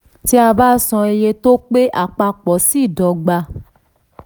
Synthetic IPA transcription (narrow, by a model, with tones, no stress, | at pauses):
ti˦a˧ba˦sɔ̃˧e˧je˧to˦k͡pe˦ʔa˦˨k͡pa˧k͡pɔ˨˦si˦˨dɔ˨ɡ͡ba˧